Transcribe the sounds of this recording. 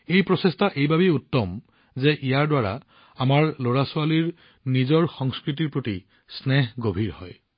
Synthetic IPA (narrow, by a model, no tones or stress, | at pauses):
ejpɹɔsestaʔejbʱabiutːɔm | zɛʔijaɹdwaɹa̰ | amaɹloɹasʊaliɹ | nizɔɹxɔŋskɹit̬iɹpɹoti | snɛɦɡobʱiɹhɔ̰j